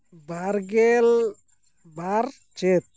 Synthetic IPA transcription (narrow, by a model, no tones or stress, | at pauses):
baɾɡel | baɾ | t͡ʃet̪̚